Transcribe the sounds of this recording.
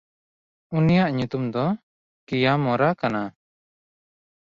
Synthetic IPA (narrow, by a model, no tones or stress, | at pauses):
unijaʔɲut̪umd̪ɔ | kijamɔɾakana